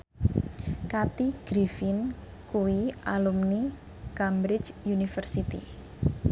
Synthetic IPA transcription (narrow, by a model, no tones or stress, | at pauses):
kat̪iɡ̥ɾifin | kuwiʔalumni | kambɾɪt͡ʃjunifərsit̪ḭ